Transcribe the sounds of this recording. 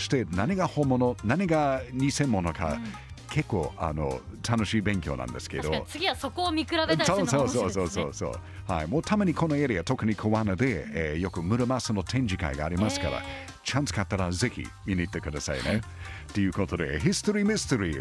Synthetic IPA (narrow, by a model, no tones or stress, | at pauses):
ɕi̥t̪enanʲiɡahomononaɲʲiɡaɲʲisẽ̞mːo̞no̞ka̰ | kʰe̞kːo̞a̰no̞̰t̪ʰanoɕiːbẽ̞ŋkʲjo̞̰nã̰nd̪e̞sɨ̥ke̞d̪oɨɡʲiasokoːmʲikɯɾadesosososoːso̰ːso̰ | ha̰imoːt̪ʰamaɲ̟ʲikʰo̞noeɾiat̪o̞kɯ̟ɲ̟ikʰoβanad̪e̞ejo̞kɯ̟mɯ̟ɾɯmasɨno̞t̪ʰẽ̞nɲ̟d͡ʒika̰iɡaːɾʲimasɨ̥kaɾa̰ | t͡ʃãnt͡sɨ̥kat̪ːaɾaze̞çḭ | inʲit̪ːe̞kɯ̟d̪asa̰ine | t̪ejɯ̟ːkot̪od̪ḛɦist̪oɾimist̪eɾḭ